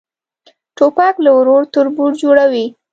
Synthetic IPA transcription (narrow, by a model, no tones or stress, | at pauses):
ʈopɑklawɾoɾt̪ʊɾbuɽd͡ʒoɽawi